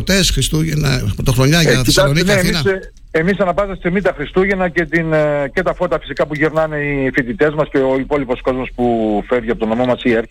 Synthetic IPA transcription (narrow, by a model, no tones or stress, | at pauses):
t̪esxɾist̪uʝenɐpot̪oxɾoɲɐʝɐist̪ɐsonieniɐ | e̞misɐnɐpɐzɐst̪emit̪ɐxɾist̪uʝe̞nɐce̞t̪ince̞t̪ɐfo̞t̪ɐfi̥sikɐpuʝiɾnɐne̞ifit̪it̪e̞zmɐsceoipo̞lipo̞sko̞zmo̞spufe̞ɾʝiɐpo̞t̪onomo̞mɐsieɾ